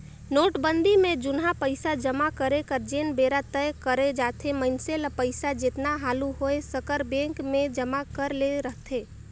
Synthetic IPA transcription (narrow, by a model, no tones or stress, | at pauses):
noːʈbə̃nd̪imẽd͡ʒʊnɦapəɪsad͡ʒəmakəɾekəɾd͡ʒeːnbeːɾat̪əjkəɾed͡ʒaːt̪ʰeməɪnselapəɪsad͡ʒɪt̪naɦaːluɦoesəkəɾbẽːŋkmẽd͡ʒəmakəɾleɾəɦt̪ʰeː